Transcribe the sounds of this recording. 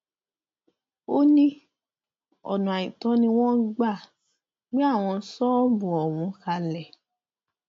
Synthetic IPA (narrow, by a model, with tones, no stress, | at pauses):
o˦nĩ˦ | ɔ̰˨nũ˨a˨ĩ˨tɔ̃˦nĩ˧w̃ɔ̃˦ɡ͡ba˦˨ | ɡ͡bĩ˦a˦˨w̃ɔ̃˧˦sɔ˦bũ˨ɔ˨wũ˧˦ka˧lɛ˨